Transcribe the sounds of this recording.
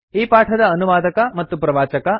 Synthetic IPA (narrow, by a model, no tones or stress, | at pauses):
iːpaːʈʰɐd̪ɐːnuʋaːd̪ɐkɐmɐt̪ːupɾɐʋaːt͡ʃɐkɐ